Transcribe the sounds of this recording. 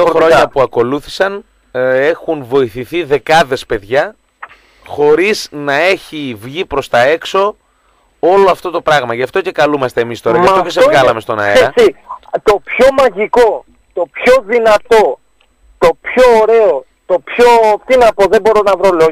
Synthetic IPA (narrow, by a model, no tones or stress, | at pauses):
oxɾoɲɐpuɐko̞luθi̥sɐn | e̞xunvo̞iθiθiðe̞kɐðe̞spe̞ðʝɐ | xo̞ɾiznɐe̞çivʝipɾo̞st̪ɐe̞kso̞ | o̞loɐft̪o̞t̪o̞pɾɐɣmɐʝɐft̪o̞ce̞kɐlumɐst̪e̞ːmist̪o̞ɾɐʝɐftoes̬evɣɐlɐme̞st̪o̞nɐ̰eɾɐsit̪o̞pço̞mɐʝiko̞ | t̪o̞pço̞ðinɐt̪o̞ | t̪opçoːɾe̞o | t̪o̞pçot̪inɐpoðebo̞ɾo̞nɐvɾo̞lo